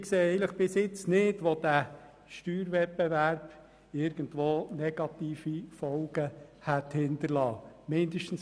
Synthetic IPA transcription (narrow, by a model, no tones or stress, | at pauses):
kseːɛɪləχb̥ɪsjɪt͡snɪdʋod̥æ | ʃtyːɾʋɛtbɛʋæɾb̥ | ɪɾɡ̥əndʋoːnɛɡ̥ɑt̪iːfifɔlɡ̥əhæt̪hɪntəɾlɑːmɪndəʃtən̩s